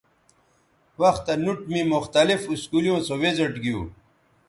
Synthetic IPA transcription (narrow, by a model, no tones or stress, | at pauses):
wɐxt̪ɐnuʈmimʊxt̪ɐlifiskuːlijõːsowezɐʈɡijṵ̃ː